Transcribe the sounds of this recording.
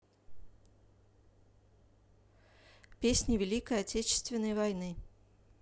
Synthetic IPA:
pʲesʲnʲɪvʲɪlʲikəjɐtʲet͡ɕɪ̥st̪vʲɪnːəjvɐjnɨ

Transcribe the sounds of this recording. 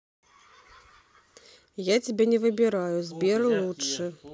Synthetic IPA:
jat͡sʲibʲɛnʲɛvɨbʲiɾajuzʲbʲɛɾɨlˠut͡ʂɨ

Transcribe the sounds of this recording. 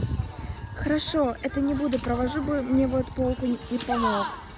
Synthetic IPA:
xəɾɐʂoɛt̪ənʲɪbud̪ʊpɾəvɐʐubɨmnʲevot̪polˠkʊɪpɐmox

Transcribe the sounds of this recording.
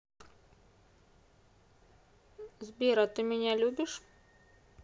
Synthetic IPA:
zʲbʲiːɾɐt̪ɨmʲɪnʲælʲuːbʲɪʃ

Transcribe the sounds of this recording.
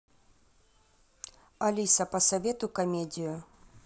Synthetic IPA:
ɐlʲisɐpɐsɐvʲɛt̪ʊkɐmʲɛdʲiju

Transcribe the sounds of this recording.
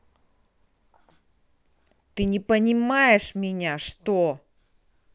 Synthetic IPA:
t̪ɨnʲɪpənʲɪmajɪʂmʲɪnʲaʂt̪o

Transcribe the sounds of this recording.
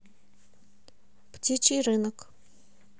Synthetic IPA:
ptʲit͡ɕiɾɨnək

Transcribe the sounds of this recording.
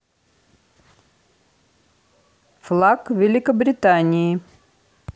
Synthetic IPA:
flˠakvʲɪlʲɪkəbɾʲɪt̪anʲɪː

